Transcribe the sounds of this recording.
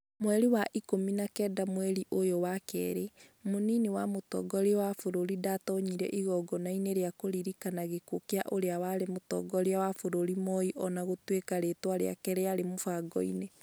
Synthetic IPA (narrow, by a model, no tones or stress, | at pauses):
mwɛɾiwaʔikominakɛdamwɛɾiʔojowakɛ̰ɾemoniniwamotɔ̰ɡɔɾewafoɾoɾidatɔɲiɾɛ̰ʔiɣɔɡɔnaineɾeakoɾiɾikanaɣekokea̰ʔoɾeawaɾemotɔ̰ɡɔɾeawafoɾoɾimɔiʔɔnaɣotwekaɾetwaɾḛa̰kɛɾeaɾemofaɡɔ̰ḭne